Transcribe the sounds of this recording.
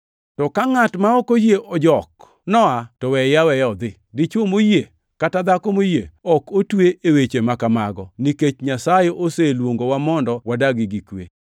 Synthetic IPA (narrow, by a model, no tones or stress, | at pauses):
tɔkaŋatmaɔkojeʔɔd͡ʒɔk | nɔatɔwɛjawɛjɔd̪ɪ | dit͡ʃomoje | katad̪akomojeɔkotweʔewet͡ʃemakamaɡɔniket͡ʃɲasajeʔoselwoŋɡowamɔndɔwadaɡɪɡikwḛ